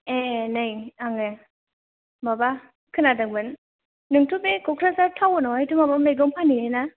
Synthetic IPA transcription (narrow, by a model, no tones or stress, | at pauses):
enɯjaŋe | maba | kʰɯnadɯŋbɯn | nɯŋtʰupekʰɔkʰɾasaɾtʰawɔnawajtumabamejɡɔŋpʰaniena